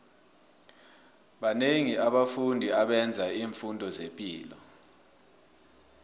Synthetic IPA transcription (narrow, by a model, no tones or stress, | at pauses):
ɓaneŋiaɓafundʱiaɓɛnd͡zʱaiːɱfundʱɔzempʼiːlɔ̰